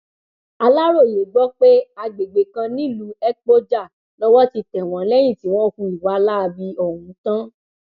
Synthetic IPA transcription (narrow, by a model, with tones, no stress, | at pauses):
a˧la˦ɾo˦˨je˨ɡ͡bɔ˦k͡pe˦a˧ɡ͡be˨ɡ͡be˨kã˧nĩ˦˨lu˨˦ɛ˦k͡po˦d͡ʒa˦˨ | lɔ˦wɔ˦ti˧tɛ˨w̃ɔ̃˨˦lɛ˦j̃ĩ˦˨ti˨˦w̃ɔ̃˦kũ˧˨i˨wa˧la˦a˧bi˧ɔ˨wũ˨˦tã˦